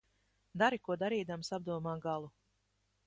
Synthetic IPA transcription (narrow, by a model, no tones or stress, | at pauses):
d̪aɾikuɔd̪aɾiːd̪amsab̚d̪uɔmaːɡalˠu